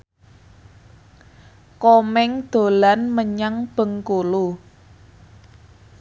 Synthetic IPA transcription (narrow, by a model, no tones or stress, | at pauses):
kɔmɛŋd̪̥o̤lanməɲaŋb̥ə̤ŋkolu